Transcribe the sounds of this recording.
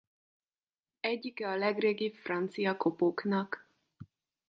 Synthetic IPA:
ɛɟːikɛɒlɛɡreːɡipfrɒnt̪sijɒkopoknɒk

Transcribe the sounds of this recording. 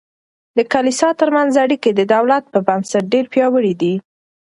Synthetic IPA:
d̪əkalisɑt̪əɾmanzaɽiked̪əd̪awlat̪̚pəbamsaʈ̚ɖeɾpjɑwəɽid̪i

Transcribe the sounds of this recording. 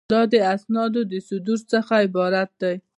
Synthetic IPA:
ɑd̪əasnɑd̪od̪əsʊd̪uɾsəxaɪbɑɾat̪̚d̪aj

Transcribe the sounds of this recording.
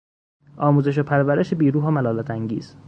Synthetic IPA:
ɒːmuːze̞ʃ̬opʰæɾvæɾeʃebiːɾuːɦɒːmælɒːlæt̪ʰæŋɟḭːz̥

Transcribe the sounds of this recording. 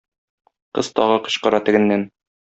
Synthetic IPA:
qɤ̰z̥t̪ɒʁɤqɤ̥̆ɕqɤ̆ɾɑt̪ɘ̆ɡɘ̆nːæn

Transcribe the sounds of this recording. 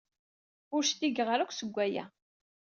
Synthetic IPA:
ʊɾʃt̪iɡəʁɾækʷːsəɡʷːæjæ̰

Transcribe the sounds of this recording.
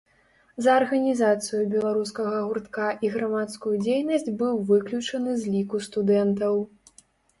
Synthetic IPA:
zɐːrɣɐnʲizat̪sɨjubʲɛlˠaɾuskɐɣɐɣurt̪kaʔiɣɾamat̪skujud͡zʲejnɐsʲd͡zʲbɨwvɨklʲut͡ʂɐnɨzʲlʲikust̪ud̪ɛnt̪ɐw

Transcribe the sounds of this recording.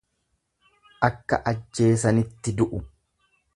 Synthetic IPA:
ʔɐkːɐ̰ʔɐd͡ʒːe̞ːsɐnɪt̪ːɪd̪ʊʔʊ

